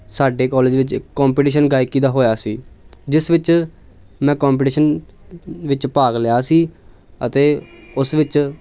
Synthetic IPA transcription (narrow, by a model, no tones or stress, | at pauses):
saːɖeːkɔːled͡ʒʋɪt͡ʃɪkːɔːmpiːʈiːʃənɡaːɪkːiːd̪aːɦoːjaːsiːd͡ʒɪsʋɪt͡ʃ | mɛ̃ːkɔːmp̬iːʈiːʃən | ʋɪt͡ʃpaːɡlejaːsiː | ət̪eːʊsʋɪt͡ʃ